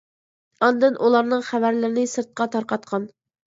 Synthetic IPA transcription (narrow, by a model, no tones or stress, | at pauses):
ɑnd̪ɨnʔulˠɑɾnɨŋχævæɾlɪɾɪnɪsɨɾt̪̚qʰɑt̪ʰɑɾqɑt̪̚qʰɑn